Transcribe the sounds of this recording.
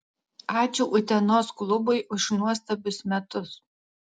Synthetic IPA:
ɑːt͡ʃʲuːʔʊt̪ʲɛnoːsklˠʊbʊɪʔʊʃnuɔst̪ɐbʲʊsmʲɛt̪ʊs

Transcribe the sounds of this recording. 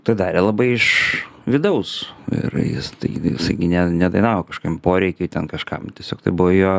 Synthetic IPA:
t̪ɐɪd̪ɑːɾʲelˠɐbɐɪɪʃʋʲɪd̪ɐʊsɪ̰ɾjɪ̰st̪ɐ̰ɪjɪ̰sɐɪɡʲɪnʲɛnʲɛd̪ɐɪnɑːʋoːkɐʃo̥kːmpoːɾʲɛɪkʲoɪt̪ʲɛnkɐʃkɐ̰mtʲiɛsʲoːkt̪ɐɪbʊʋojoː

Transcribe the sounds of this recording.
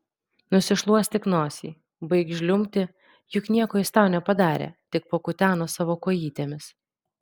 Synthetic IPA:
nʊsʲɪʃlˠuɔsʲt̪ʲɪknoːsʲḭː | bɐɪkʒʲlʲʊmʲt̪ʲɪ | jʊknʲiɛkoːjɪst̪ɑˑʊnʲɛpɐd̪ɑːɾʲḛːt̪ʲɪk̚pokʊt̪ʲæːnoːsɑːʋoːkoːjiːt̪ʲemʲɪs

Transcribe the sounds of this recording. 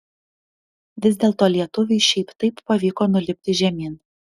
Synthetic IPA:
ʋʲɪzʲd̪ʲeːlˠt̪oːlʲiɛt̪ʊʋʲɛɪʃʲɛɪpt̪ɐɪpːɐʋʲiːkoːnʊlʲɪpʲt̪ʲɪʒʲɛmʲiːn

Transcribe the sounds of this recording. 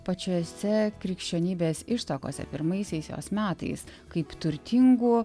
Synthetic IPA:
pɐt͡ʃʲoːsʲɛkɾʲɪkʃʲt͡ʃʲoːnʲiːbʲeːsɪʃt̪ɐko̰ːsʲɛ̰pʲɪɾmɐɪsʲɛɪsjo̰ːsmʲæːt̪ɐ̰ɪskɐɪpt̪ʊɾʲt̪ʲɪŋɡuː

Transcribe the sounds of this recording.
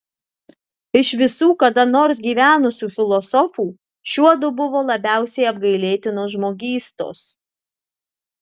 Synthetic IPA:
ɪʃʋʲɪsuːkɐd̪ɐnoːɾsɡʲiːʋʲæːnʊsʲuːfʲɪlˠɔsɔfuː | ʃʲuɔd̪ʊbʊʋoːlˠɐbʲæˑʊsʲɛɪɐb̚ɡɐɪlʲeːt̪ʲɪnoːsʒmoːɡʲiːst̪o̰ːs

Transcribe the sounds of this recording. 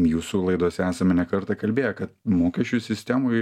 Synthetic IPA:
juːsulˠɐɪd̪uɔsʲɛæːsɐmʲɛnʲɛkɐɾt̪ɑkɐlʲbʲeːjɛkɐt̪̚moːkʲɛʃʲt͡ʃʲusʲɪsʲt̪ʲæmʊːj

